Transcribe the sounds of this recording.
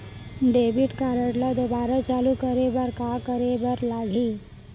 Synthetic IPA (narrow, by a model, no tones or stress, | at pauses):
ɖebiʈkaɾəʈlad̪obaɾat͡ʃalukəɾebəɾkakəɾebəɾlaɡʱi